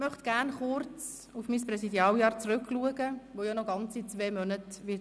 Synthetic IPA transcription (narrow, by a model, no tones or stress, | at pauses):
mœχt̪ɡ̥æɾnχʊɾt͡s | ufmiːspɾɛsidjɑːljɑːɾt͡srʉkʰluəɡəvojɔnɔɡɑnt͡sit͡sveːmœnətʋɪ